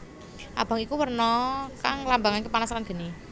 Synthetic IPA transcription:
ʔa̰b̥a̤ŋikuwərnɔkaŋlambaŋankepanasalanɡ̥ə̤ni

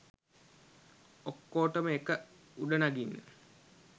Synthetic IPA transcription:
okːoːʈəməekə | uɖənaɡinːə̰

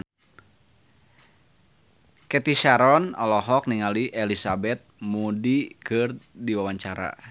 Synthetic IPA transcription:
kɛt̪iʃaɾɔnɔlɔɦɔk̚niŋaliʔelisabɛt̪̚mudikɨrdiwawaɲt͡ʃaɾa̰

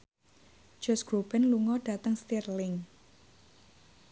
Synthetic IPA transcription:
d͡ʒ̥ɔsɡ̥ɾobɛnluŋɔɖ̥a̤t̪əŋst̪irlɪŋ

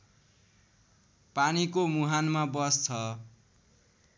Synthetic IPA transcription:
panikomuɦanmabʌst͡sʰʌ

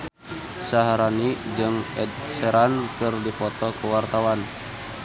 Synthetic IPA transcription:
saɦaɾanid͡ʒɨŋɛd̪̚sɛɾankɨrdipɔt̪ɔkəwart̪awan

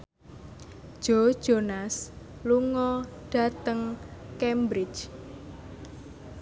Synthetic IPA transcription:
d̥ʒ̥od̥ʒ̥onas | luŋɔɖ̥ä̤t̪əŋkɛmbɾɪ̥t͡ʃ

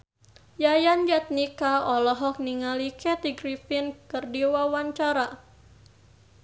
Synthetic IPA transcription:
jajand͡ʒat̪̚nikaɔlɔɦɔk̚niŋalikɛt̪iɡɾifɪnkɨrdiwawaɲt͡ʃaɾa

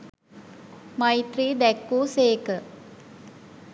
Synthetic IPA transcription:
majt̪ɾiːd̪ɛkːuːseːkə

